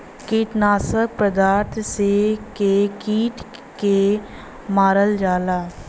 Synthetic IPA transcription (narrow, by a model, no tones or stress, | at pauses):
kiːʈnaːsək̚pɾəd̪aːɾt̪ʰsekekiːʈ | ke | maːɾəld͡ʒaːlaː